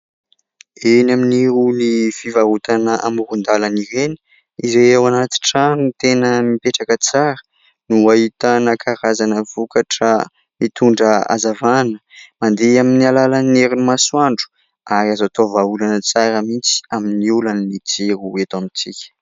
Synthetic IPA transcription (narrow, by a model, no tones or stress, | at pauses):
enaminiɾunifivaut̪anəʔamuɾund̪alaniɾeni̥ | izeewanat̪i̥ʈ͡ʂanit̪enəmipeʈ͡ʂakət͡saɾə | nuaɦit̪ənakʰaɾazanəvukaʈ͡ʂə | mit̪uɳɖ͡ʐəa̰zavanəmand̪eaminialalanneɾinumaswaɳɖ͡ʐu̥ | aɾazat̪ovaulanət͡saɾəmit͡si̥aminiulannit͡seɾuet̪amit͡sikʲə̥